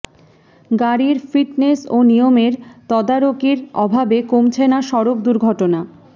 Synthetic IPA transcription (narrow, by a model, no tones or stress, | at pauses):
ɡaɾiɾfiʈnesonijomeɾt̪ɔd̪aɾokiɾɔ̰bʱabekomt͡ɕʰenaʃɔɾokd̪uɾɡʱɔʈona